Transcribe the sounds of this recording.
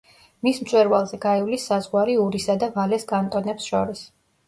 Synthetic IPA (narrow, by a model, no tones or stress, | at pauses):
mismt̪sʼwɛɾvalˠzɛɡaiwlisːazʁwaɾiuɾisad̪avalɛsɡʼant̪ʼɔnɛpsʃɔɾis